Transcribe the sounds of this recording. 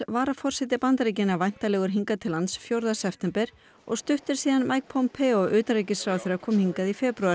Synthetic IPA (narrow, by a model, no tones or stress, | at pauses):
vaːɾafɔr̥sɛt̪̬ɪpant̪ɾejcɪnːavajn̥t̪alɛːɣʏɾ̥ɦiŋkat̪ʰɪlːant̪sfjowɾðasɛpt̪ʰɛmpɛɾ̥ | ɔ̰ɣst̪ʏht̪ʏɾ̥siːðanmʔajk̚pʰowmpʰɛɔʔʏːt̪ɾejcɪsfɾawθɛɾakʰɔːmhiŋkaðifɛːpɾya